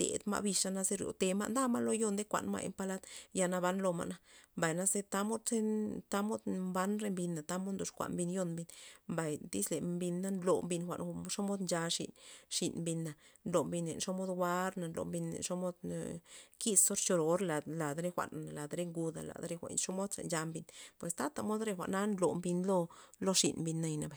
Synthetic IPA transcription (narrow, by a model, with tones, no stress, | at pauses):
d̪̥ḛ˨d̪ma̰˦˧bi˧ʂa˦na˦ze˦ɾjo̰˨t̪e˧ma̰˦˧nd̪a˦ma˦lo˦jo˧nd̪e˦kʷa̰˨nma̰˧jḛ˧mpa˧la˦t̪ja˧na˧βa˦nlo˧ma̰˧ʔna˧mba˨jna˦ze˦t̪a˦mo˦d̪se˦t̪a˦mo˦d̪mba˦nɾe˧mbi˧nːa˨t̪a˦mo˦d̪nd̪o˧˨ʂkʷa̰˨nmbi˧njo˧nmbi˧nmba˨jd̪i˦sle˨mbi˧nːa˦nlo˨mbi˧nxʷa̰˨nʂo˦mo˦d̪nd͡ʒa˧ʂḭ˨nʃi˨nmbi˧nːa˨nlo˨mbi˧nːḛ˨nʂo˦mo˦d̪wa˦ɾna˨nlo̰˨mbi˧nḛ˨nʂo˦mo˦d̪ | ki˦sso˦ɾt͡ʃo˧ɾo˨˧ɾla˨la˨d̪ɾe˦xʷa̰˨na˨la˨d̪ɾe˦ŋɡu˧d̪a̰˨la̰˨d̪ɾe˧˦xʷa̰˨ʂo˦mo˦d̪sa̰˨nd͡ʒa˧mbi˧npwe˨st̪a˦t̪a˨mo˦d̪ɾe˧xʷa̰˨ʔna˦nlo̰˨mbi˧nlo˦lo˦ʂḭ˨nmbi˧nːa˧jna˨ba˨j